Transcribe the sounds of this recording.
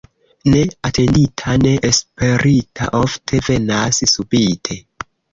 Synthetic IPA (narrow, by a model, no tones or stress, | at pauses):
ne̞atʰe̞nditʰane̞ʔespe̞ɾitʰa̰ʔoftʰe̞ve̞nassubitʰe̞